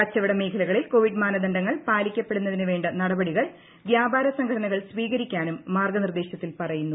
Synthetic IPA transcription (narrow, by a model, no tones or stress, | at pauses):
ɐt͡ɕːɐʋiɽɐme̞ːkʰɐlɐɣɐɭilko̞ːʋiɖmaːnɐd̪ɐɳɖɐŋːɐɭpaːlikʲːɐpːe̞ɽunːɐðinɨʋe̞ːɳɖɐnɐɽɐbɐɽiɣɐɭ | ʋjaːbʱaːɾɐsɐŋɡʱʰɐɽɐnɐɣɐɭsʋiːɣɐɾikʲːaːnumːaːrɡɐnird̪e̞ːɕjɐt̪ːilpɐrɐjunːu